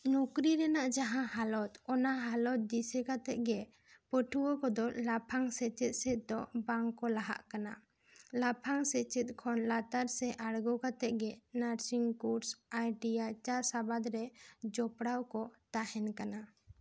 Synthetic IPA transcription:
nukɾiɾɛnaʔd͡ʒaɦãɦalɔt̪ɔnaɦalɔt̪̚d̪isɛkat̪ɛʔ̚ɡɛ | pəʈʰuwɔkɔd̪ɔlapʰaŋsɛt͡ʃɛt̪̚sɛt̪̚d̪ɔbaŋkɔlaɦa̰ʔkana | lapʰaŋsɛt͡ʃɛt̪̚ˀkʰɔnlat̪aɾsɛʔaɽɡɔkat̪ɛʔ̚ɡɛnaɾsiŋkuɾsajɖijat͡ʃaɾsabad̪ɾɛd͡ʒɔpɽawkɔt̪ahɛnkana

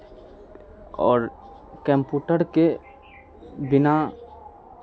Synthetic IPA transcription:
ɔːɾ | kɛ̃mpuːʈəɾke | bɪna

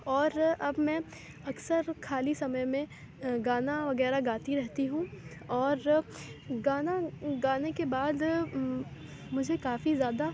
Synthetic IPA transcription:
ɔːɾɐbmɛ̃ | ɐksəɾkʰaːlisɐməjmẽ | ɡaːnaʋɐɣɛːɾaɡaːt̪iɾɛɦt̪iɦũ | ɔːɾ | ɡaːnaɡaːnekebaːd̪ | mʊd͡ʒʱekaːfizjaːd̪a

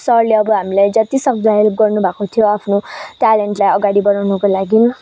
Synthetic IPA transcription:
sʌrleʌbʌɦamilajd͡zʌt̪isʌk̚d͡zʱaɦelp̚ɡʌrnubʱakot̪ʰijoapʰnoʈaleɳʈlajʌɡaɽibʌnawnʌkolaɡin

